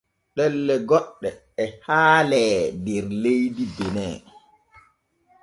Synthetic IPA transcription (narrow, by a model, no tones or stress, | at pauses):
ɗɛlːɛɡɔɗːɛː | haːlɛːdɛɾlejdidɛnɛː